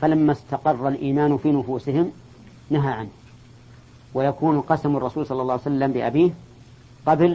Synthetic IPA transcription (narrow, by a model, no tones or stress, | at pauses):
falamːast̪ɑqɑrˤːɑlʔiːmaːnʊfiːnʊfuːsɪhɪm | naɦaʕanh | wajakuːnqɑsamɑrˤːɑsuːlsˤɑlːɑlˤːɑːhwsalːambɪʔa̰biːh | qɑbl